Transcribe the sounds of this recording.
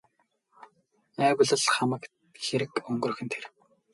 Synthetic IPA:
æːwʊ̆ɮə̆ɮχamə̆k | xeɾɘ̆kɵŋɡɵ̆rɵ̆xɘ̆nt̪ʰer

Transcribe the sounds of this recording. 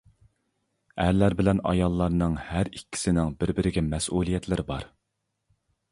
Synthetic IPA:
æɾlæɾbɪlɛnɑ̰jɑlˠːɑɾnɨŋhæɾikʲʰːi̥sɪnɪŋbɪɾbɪɾɪɡʲɛmɛsʔulˠijɛt̪ʰlɪɾɪbɑ̰ɾ

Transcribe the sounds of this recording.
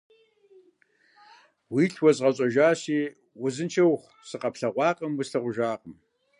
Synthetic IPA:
wiːɬʰwɔzʁɐɕʼɐʒaːɕiː | wʊzɨnt͡ʃʰɐwχʷ | sɨqɐpɬɐʁʷɑːqʼɐmwʊsɬɐʁʷʊʒaːqʼəm

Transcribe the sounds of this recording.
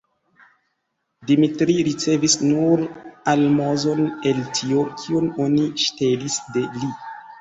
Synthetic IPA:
dimitɾiɾit͡se̞visnuɾalmozo̞ne̞ltʰio̞kʰiuno̞niʃte̞disde̞li

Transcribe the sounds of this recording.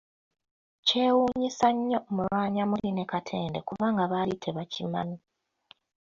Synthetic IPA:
ce̞ːwuːɲisaɲːo̞mulwaːɲamuline̞katʰe̞ːndekuβaːŋɡaβalitʰeβacima̰nu

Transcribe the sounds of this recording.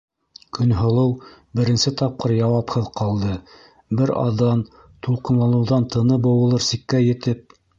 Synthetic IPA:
kɵ̆nɦŏlˠɤw | bɘ̆ɾɘ̆nsɘt̪ɑp̚qɤɾjɑwɑphɤðqɑlˠd̪ɤ | bɘɾɑ̰ðɑn | t̪ulˠqɤ̆nlˠɑnɤ̆wðɑnt̪ʰɤ̆nɤbɤ̆wɤ̆lˠɤɾsikːæjɘ̆t̪ɘp̚

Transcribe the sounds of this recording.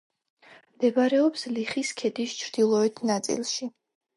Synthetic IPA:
md̪̥ɛbaɾɛɔpsliχiskʰɛd̪ist͡ʃʰɾd̪̥ilˠɔɛt̪ʰnat̪sʼḭlˠʃi

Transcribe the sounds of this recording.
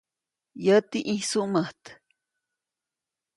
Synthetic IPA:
jət̪iʔisuʔməht̪

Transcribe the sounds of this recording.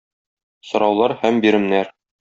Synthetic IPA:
sŏɾɑwlˠɑɾhæmbiɾɘ̆mnæɾ

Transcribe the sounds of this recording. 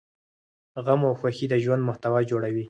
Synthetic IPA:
ɣamawxwaxid̪əʒwand̪mʊht̪awɑd͡ʒoɽawi

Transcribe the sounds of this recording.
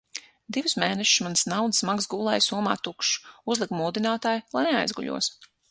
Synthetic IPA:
d̪ivusmeːnɛʃsmansnawd̪ɨsmaɡsɡuːlˠɛjsuɔma̰ːt̪ukʃuzlˠikmuːd̪inaːt̪aːjlˠajnea̰jzɡṵʎṵɔs

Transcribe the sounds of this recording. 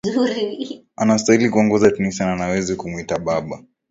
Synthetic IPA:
zuɾi | anastahilikuɔŋɡɔzatɛnisananawɛzikumuitaɓaɓa

